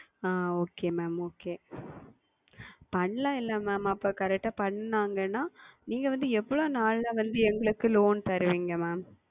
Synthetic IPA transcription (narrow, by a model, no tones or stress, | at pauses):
aːoːkeːmɛːmoːkeː | pɐɳːlãːɪlːɐmɛːmɐpːɐːkɐɾɛk̚ʈːaːpɐɳːnaːŋɡɐnːaːniːŋɡɐʋɐnd̪ɯɛʋːɐɭoːnaːɭlaʋɐnd̪ɯɛŋɡɐɭɯkːɯloːnt̪ɐɾɯʋiːŋɡɐmɛːm